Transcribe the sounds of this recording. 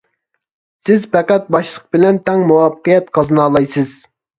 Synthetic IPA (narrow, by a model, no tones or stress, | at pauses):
sɪzpɛqæt̪̚bɑʃlˠəq̚bɪlɛnt̪ʰɛŋmuwɑpqijɛt̪qʰɑzɨnɑːlˠɑjsɨz̥